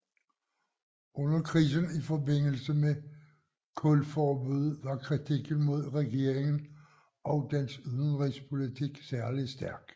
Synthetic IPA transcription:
ʔɔ̽nɐkʰʁḭːsənifɒ̽be̝n̰l̩səme | kʰɔlfɒːb̥uð̞ˠʋɑ̈kʰʁit͡sʰiɡ̥n̩mo̝ð̰ˠʁɛɡ̥e̝ɐeŋn̩ | ʔɒ̽ʊd̥ensyð̞ˠn̩ʁispʰo̝lit͡sʰiɡ̥sæɐlisd̥æɐɡ̥

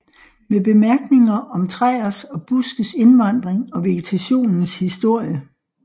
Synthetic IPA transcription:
meb̥e̝mæɐɡ̥ne̝ŋɐʔɒ̽mt͡sʰʁɛ̰ɐsɒ̽b̥usɡ̥əse̝nʋɑ̈n̰d̥ʁeŋɒ̽ʋe̝ɡ̥et͡sʰæɕo̝̰ːnn̩shisd̥o̝ɐ̰jə

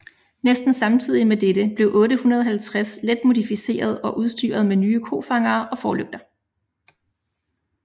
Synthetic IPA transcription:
nesd̥n̩sɑ̈mt͡sʰið̞̰ˠimed̥eɾ̥əb̥le̝ʊʔɔ̽ːɾəhunɐð̞ˠɦælt͡sʰʁasled̥̚mo̝dˠifise̝̰ːɐð̞ˠɒ̽ʔuð̞ˠsd̥y̰ːɐð̞̩ˠmenyːəkʰo̝̰ːfɑ̈ŋɐːʔɒ̽fɒːløɡ̥̚d̥ɐ

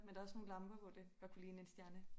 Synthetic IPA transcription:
mend̥ɑ̈ɐɔsno̝ːn̩lɑ̈mb̥ɐʋɒ̽d̥eʋ̥ɑ̈kʰulḭːn̩ensd̥jæɐnə

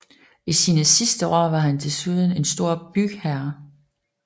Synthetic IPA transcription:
isiːnəsisd̥əʔɒ̰ːʋɑ̈ɦændʰe̝suðˠən̩e̝nsd̥o̝ɐ̰b̥yɡ̥hæɐ

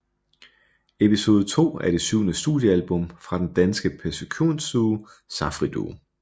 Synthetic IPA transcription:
e̝piso̝ːð̩ˠt͡sʰo̝̰ːæɐɾ̥e̝syʊnəsd̥ṵːðˠjəælb̥ɔ̽mfʁɑ̈d̥end̥ænsɡ̥əpʰæsikʰu̝̰nsuː | sɑ̈fʁid̥o̰

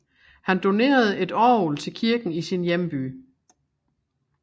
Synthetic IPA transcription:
hænd̥o̝ne̝̰ːɐð̞̩ˠe̝d̥ɒːolt͡sʰe̝lkʰiɐɡ̥n̩isinjemb̥y̰ː

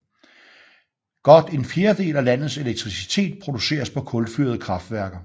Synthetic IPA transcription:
ɡ̥ɒ̽d̥e̝nfje̝ːɐd̥e̝̰ːlælæn̰ð̩ˠse̝leɡ̥̚t͡sʰʁisi̥t͡sʰe̝̰ːd̥̚pʰʁo̝d̥use̝̰ːɐspʰɒ̽kʰɔ̽lfy̰ɐð̞ˠəkʰʁɑ̈fd̥ʋæɐɡ̥ɐ

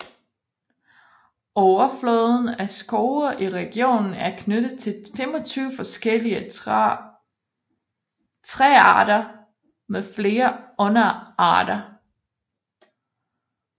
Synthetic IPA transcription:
ɒʊɐflɔːðˠn̩æsɡ̥oʊɐʔiʁɛɡ̥io̝̰ːnn̩æɐkʰnøɾ̥ð̩ˠt͡sʰe̝femɒt͡sʰyːʊfɒ̽sɡ̥el̰iə | t͡sʰʁɛɑ̰̈ːɾ̥ɐ | mefle̝ːɐɔ̽nɐɑ̰̈ːɾ̥ɐ

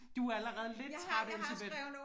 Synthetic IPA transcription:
d̥uæləʁɛːð̞̩ˠle̝d̥̚t͡sʰʁɑ̈d̥ensʰɐb̥e̥

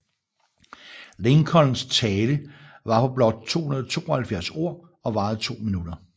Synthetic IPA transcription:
leŋkʰɒ̽ln̩st͡sʰɛːləʋɑ̈fʰɒ̽b̥lɒ̽d̥̚t͡sʰo̝̰ːhunɐð̞ˠɒ̽t͡sʰo̝̰ːɒhælfjæɐso̝ɐ̰ | ɒ̽ʋɑ̈ːð̩ˠt͡sʰo̝̰ːminud̥ɐ

